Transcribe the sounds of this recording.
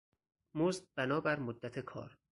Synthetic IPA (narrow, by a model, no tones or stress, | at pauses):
mozd̪bænɒːbæɾmod̪ːæt̪ʰe̞kʰɒ̰ːɾ